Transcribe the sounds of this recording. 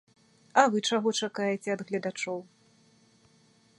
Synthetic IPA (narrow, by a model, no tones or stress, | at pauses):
ɐvɨt͡ʂaɣɔt͡ʂakajɛt͡sʲɛɐd̪ɣlʲɐd̪at͡ʂɔw